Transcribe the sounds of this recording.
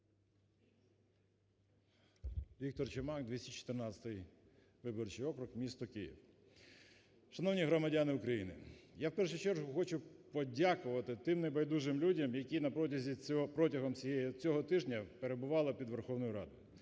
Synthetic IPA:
ʋʲik̚t̪ɔrt͡ʃɪmɑkd̪ʋʲisʲɪt͡ʃt͡ʃɔ̥t̪ɪrnɑt͡sʲɐ̥t̪ɪj | ʋɪbɔrt͡ʃɪjɔkɾʊkmʲist̪ɔkɪjḭw | ʃɐnɔwnʲiɦɾɔmɐdʲanɪʊkɾɐjinɪ̰jawpɛrʃʊt͡ʃɛɾɦʊxɔt͡ʃʊpɔdʲakʊʋɐt̪ɪt̪ɪmnebɐjd̪uʒɪmlʲudʲɐmjɐkʲinɐpɾɔtʲɐzʲipɾɔtʲɐɦɔmt͡sʲjɛt͡sʲɔɦɔt̪ɪʒnʲɐpeɾebʊʋɑlˠɪpʲid̪ʋerxɔwnɔjʊɾɑ̰d̪ʊjʊ

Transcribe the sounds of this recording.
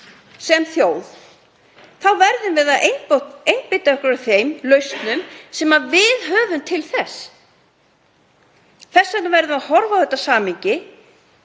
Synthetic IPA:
sɛmθjowð | θawvɛɾðʏmvɪða | ejnpɪt̪aœhkʏɾaθejmlœɥst̪nʏmsɛmavɪðɦœːvʏmt̪ʰɪlθɛsː | θɛsːɛt̪navɛɾðɪmahɔɾvawθɛt̪ːasaːmiɲcɪ

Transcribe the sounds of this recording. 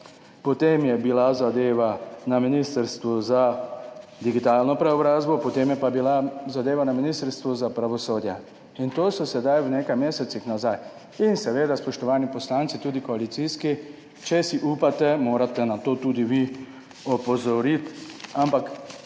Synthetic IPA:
pɔt̪eːmjɛbilazad̪eːʋanaminist̪əɾst̪ʋɔza | d̪iɡit̪aːlnɔpɾɛɔbɾaːzbɔpɔt̪eːmjɛpabilazad̪eːʋanaminist̪əɾst̪ʋuzapɾaʋɔsoːd̪ja | int̪oːsɔsɛd̪ajwneːkajmeːsɛt̪sixnazaj | insɛʋeːd̪aspɔʃt̪ɔʋaːnipɔslaːnt̪sit̪uːd̪ikoalit̪siːski | t͡ʃɛsiʔuːpat̪ɛmoːɾat̪ɛnat̪oːt̪uːd̪iʋi | ɔpɔzɔɾit̪ampak

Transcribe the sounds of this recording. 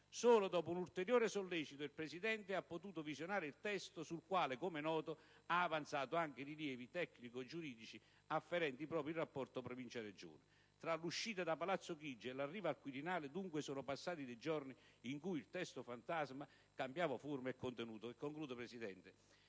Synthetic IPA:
soːlod̪ɔːpounult̪eɾjoːɾɪsolːɛːt͡ʃit̪ʊilpɾɛsid̪ɛnt̪ɪapːot̪uːt̪ʊvizjonaːɾɪilt̪ɛst̪osulkwaːlɪkomenɔːt̪o | aːvant̪saːt̪oaŋk̟ɪɾiljɛːvit̪ɛkːnikod͡ʒuɾiːd̪it͡ʃi | afːeɾɛnt̪ipɾɔːpɾjilrːapːɔrt̪opɾovint͡ʃaɾed͡ʒo̰ːna | t̪ɾaluʃːiːt̪ad̪apalat̪sːokid͡ʒːelarːiːvaːlkwiɾinaːlɪd̪uŋkwesoːnʊpasːaːt̪id̪ejd͡ʒɔrni | iŋkujilt̪ɛst̪ofant̪azma | kambjaːvaformaekːont̪enuːt̪oɛkːoŋkluːd̪opɾɛsid̪ɛnt̪ɪ

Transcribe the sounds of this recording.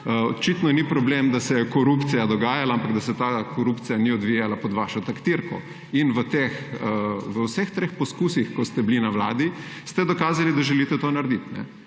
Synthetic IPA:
ɔt͡ʃit̪nɔnipɾɔblemd̪asɛkɔɾupt̪sijad̪ɔɡaːjalaampaɡd̪asɛt̪akoɾupt̪sijaniɔd̪ʋijalapɔd̪ʋaʃɔt̪akt̪iɾkɔ | inʋət̪exəʋəwsɛxt̪ɾeːxpɔskuːsixkɔst̪ɛblinawlaːd̪i | st̪ɛd̪ɔkaːzalid̪aʒɛlit̪ɛt̪oːnaɾd̪it̪nɛ̰

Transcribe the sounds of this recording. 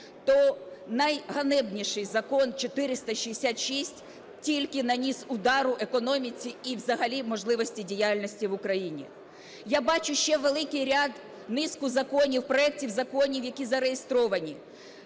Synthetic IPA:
t̪ɔnɐjɦɐnɛbnʲiʃɪjzɐkɔnt͡ʃɔt̪ɪɾɪst̪ɐʃiesʲat̪ʃisʲtʲ | tʲilʲkɪnɐnʲisʊd̪ɑɾʊʔe̞kɔnɔmʲit͡sʲiːwzɐɦɐlʲimɔʒlˠɪʋɔsʲtʲidʲijalʲnɔsʲtʲiʋʊkɾɐjinʲḭ | jabɑt͡ʃʊʃt͡ʃɛʋelˠɪkɪjɾʲad̪ | nɪskʊzɐkɔnʲiwpɾɔɛk̚tʲiwzɐkɔnʲiwjɐkʲizɐɾejest̪ɾɔʋɐnʲi

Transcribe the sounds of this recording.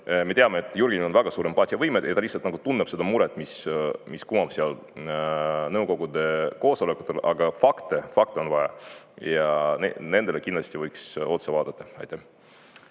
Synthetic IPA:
me̞t̪eɑmeet̪ːˑjurɡʲinʲio̞nvæɡ̥ɑsuːɾempˑɑːt̪ʲiɑvɤjmed̪jɑt̪ɑlihsːɑlt̪nɑɡ̥ut̪unːeb̥se̞d̪̥ɑmuɾet̪ːˑmismiskumːɑb̥seɑl | nɤwko̞ɡ̥ud̪e̞ko̞ːso̞le̞kːˑut̪ːˑe̞lʔɑɡ̥ɑfɑkt̪efɑk̚t̪eo̞nvɑjɑ̰ | jɑnḛne̞nd̪̥e̞lekinlɑst̪ivɤjkso̞t̪sevɑːd̪̥ɑt̪ːˑɑɑ̰jt̪ːˑe

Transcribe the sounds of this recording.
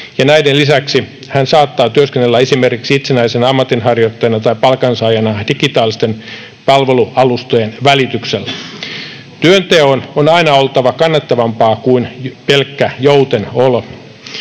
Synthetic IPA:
jɑnæidenlisæksi | hænsɑːt̪ːɑːt̪yøskenːelːæesimerkiksiit̪senæisenɑmːɑt̪inhɑrjot̪ːɑjɑnɑt̪ɑipɑlkɑnsɑjɑnɑd̥iɡit̪ɑːlːˑist̪en | pɑlʋe̞luʔɑlust̪ojenʋælit̪ykselːæ | t̪yønt̪eononɑinɑolt̪ɑʋɑkɑnːɑt̪ːɑʋɑmpɑːkuinpelkːæjout̪enol

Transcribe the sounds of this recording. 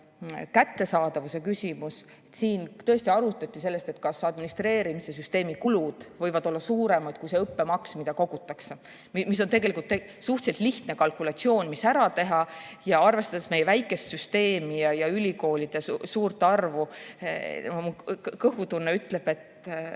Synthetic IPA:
kæt̪ːe̞sɑːd̪̥ɑvuse̞kysʲimus | et̪siːnt̪ɤ̞est̪iɑɾut̪ːˑɑt̪ʲːise̞lːe̞st̪e̞t̪kɑsɑd̪minist̪re̞ːɾimise̞s̬yst̪e̞ːmikulud̪̥vɤ̞jvɑd̪o̞lːɑsuːɾe̞mɑt̪kujse̞ɤpːe̞mɑksmid̪̥ɑko̞ɡ̥ut̪ːˑɑkse | mmis̬o̞nt̪e̞ɡe̞likult̪ːe | suht̪se̞lt̪liht̪ne̞kɑlkulɑt̪sio̞ːnʲmisæɾɑt̪e̞ɦɑjɑɑrve̞st̪ɑd̪esmejevæjkːˑe̞st̪syst̪e̞ːmijɑjɑylʲiko̞ːlid̪̥esuːrt̪ˑːɑrvu | mukɤhut̪unːeyt̪ːˑle̞b̥e̞t̪ˑ

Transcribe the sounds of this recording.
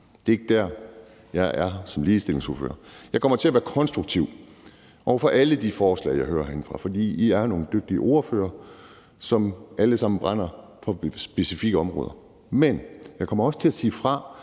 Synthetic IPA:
d̥e̝eɡ̥əd̥æɐ | jɑ̈ɪʔæɐsɒ̽mliːsd̥e̝l̰e̝ŋso̝ɐfø̰ːɐjɑ̈ɪkʰɒ̽m̰ɐt͡sʰe̝læʋæːɐkʰɒ̽nsd̥ʁuɡ̥̚t͡sʰiʊ̰ | ʔɒʊfɒ̽ʔæləd̥ifɒːslɛ̰ɪ̰jɑ̈ɪɦø̰ːɐɦenfʁɑ̈fɒ̽d̥ḭːiæɐno̝ːn̩d̥øɡ̥̚d̥iəʔo̝ɐfø̰ːɐ | sɒ̽mʔæləsɑ̈m̰n̩b̥ʁan̰ɐ | fɒ̽sb̥e̝sifiɡ̥əɒ̽mʁɔ̰ːðˠɐ | menjɑ̈ɪkʰɒ̽m̰ɐɒ̽sə̥t͡sʰe̝læsiːfʁɑ̈

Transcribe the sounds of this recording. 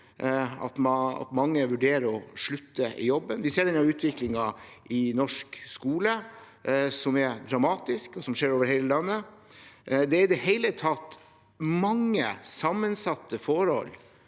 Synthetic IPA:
ɑ̰t̪mɑɑ̰t̪mɑŋːəʋʉɖeːɾəɾɔʂɭʉt̪ːəʔɪ̰jɔbːənʋɪseːɖɛnːɑɾʉːt̪ʰʋɪklɪŋɑʔɪnɔʂkskuːlə | sɔmɛɾd̪ɾɑmɑːt̪ɪskɔsɔmʂeːɾoːʋəɾheɪləlɑnːə | d̪ɛɾɪd̪ɛhɛɪlət̪ʰɑt̪ː | mɑŋːəsɑmːənsɑt̪ːəfɔɾhɔ̰l

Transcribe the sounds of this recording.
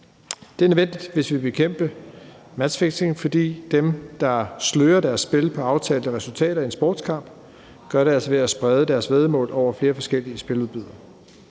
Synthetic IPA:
d̥e̝æɐnøʋen̰d̥id̥ʋe̝sʋib̥e̝kʰem̰b̥əmæ̥sfeɡ̥se̝n̩fɒ̽d̥ḭːd̥emd̥ɑ̈sløːɐd̥æɐsːb̥e̝lpʰɒ̽ɑ̈ʊt͡sʰɛːləəʁɛsult͡sʰɛ̰ːɾɐiensb̥ɒːd̥skʰɑ̈m̰b̥ | ɡ̥ɶɐɾeæl̰sɒʋe̝æsb̥ʁɛð̞ˠəd̥æɐsʋeð̞ˠmɔ̰̽ːlɒʊ̰ɐfle̝ːɐfɒ̽sɡ̥el̰iəsb̥e̝luð̞ˠbyð̰ˠɐ

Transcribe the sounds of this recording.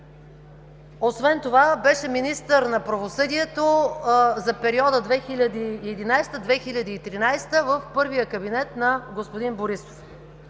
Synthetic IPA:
osvɛnt̪ovabɛʃɛminist̪əɾnɐpɾɐvosɤd̪iɛt̪ozɐpɛɾiɔd̪əd̪vɛxilʲɐd̪iːɛd̪inajst̪əd̪vɛxilʲɐd̪iːt̪ɾinajst̪əvəfpɤɾvijəkɐbinɛt̪nɐɡospod̪inboɾiso̥f

